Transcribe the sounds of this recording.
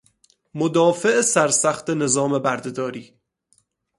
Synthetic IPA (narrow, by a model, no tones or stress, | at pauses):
mod̪ɒːfeesæɾsæxt̪ene̞zɒːmebæɾd̪ed̪ɒːɾiː